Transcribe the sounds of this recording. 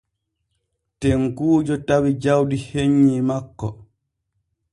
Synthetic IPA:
tɛŋkuːd͡ʒɔtawid͡ʒawdiheɲːimakːɔ

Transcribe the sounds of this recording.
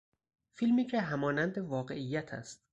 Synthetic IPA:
filmiːcʰeɦæmɒːnænd̪evɒːɢe̞ʔijːæt̪ʰæ̰st̪̚

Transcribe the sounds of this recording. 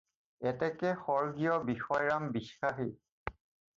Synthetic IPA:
ɛtɛkɛxɔɹɡijɔbixɔjɹambisxaxi

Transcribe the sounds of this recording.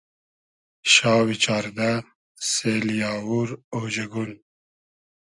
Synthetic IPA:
ʃɑːwit͡ʃɑːɾd̪a | seːljɑːwuɾod͡ʒɐɡun

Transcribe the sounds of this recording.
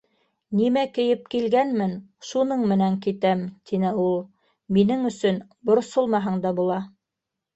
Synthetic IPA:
nimækɘ̆jɘp̚kilɡænmɘnʃunɤɴmɘ̆næŋkit̪æmt̪ʰinɘulˠ | minɘŋɵ̆sɵn | bŏɾsolˠmɑɦɤɴd̪ɑbulˠɑ

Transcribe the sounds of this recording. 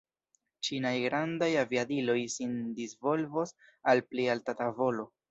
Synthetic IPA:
t͡ʃinajɡɾandajaviadilo̞jsindizvo̞lvos | alplialtatavo̞lo̞

